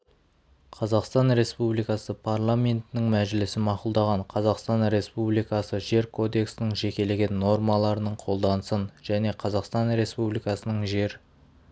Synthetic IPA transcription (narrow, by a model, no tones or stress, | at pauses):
qʰɑzɑqst̪ɑnɾe̞spublˠijkɑsəpʰarlˠamʲe̞nt̪ɪnɪŋmæʒɪlɪsɪmɑqʊlˠd̪ɑʁɑɴqʰɑzɑqst̪ɑnɾe̞spublijkɑsəʒe̞ɾkʰo̞d̪e̞ksɪnɪŋʒe̞kʲe̞le̞ɡʲe̞nːo̞rmɑlˠɑɾənəɴqʰo̞lˠd̪ɑnəsənʒ̥æne̞qʰɑzɑqst̪ɑnɾe̞spublijkɑsənəɴʒe̞ɾ